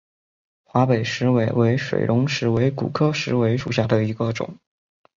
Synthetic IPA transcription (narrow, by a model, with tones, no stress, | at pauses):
xwa˧˥pe˨˩ɪʂɻ̩˧˥we˧˥ɪwe˧˥ɪʂwḛ˨˩ɪɻʔʊ˧˥ŋʂɻ̩˧˥we˧˥ɪkṵ˨˩kʰɤ˥ʂɻ̩˧˥we˧˥ɪʂṵ˨˩ɕja˥˩d̪ə˩i˧˥ɡə˧ʈ͡ʂʊ̰˨˩˦ŋ